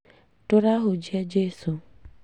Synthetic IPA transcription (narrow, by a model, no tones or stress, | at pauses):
tʊɾaɦʊd͡ʒied͡ʒesu